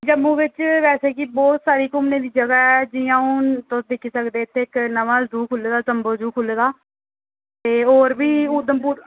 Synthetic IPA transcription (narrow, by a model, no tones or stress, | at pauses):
d͡ʒəmːũːʋɪt͡ʃʋɛːseːkiːbɔːt̪saːɾiːkʊmnẽːd̪iːd͡ʒəɡaːɛːd͡ʒiãːũːt̪ʊsd̪ɪkʰiːsəkd̪eːɪt̪ʰːeːɪknəʋãːd͡ʒuːkʰʊleːd̪aːzəmboːd͡ʒuːkʰʊleːd̪aː | t̪eːoːɾbiːʊd̪əmpuːɾ